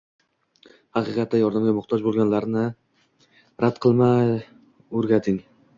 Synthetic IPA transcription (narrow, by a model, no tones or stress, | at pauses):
hɑqɨqɑt̪ːajɒɾd̪amɡʲamʊχt̪ʰɒd͡ʒbolˠɡʲanlaɾnɪ | ɾʔad̪qʰɨlˠmaj | ɵɾɡʲat̪ʰɪŋ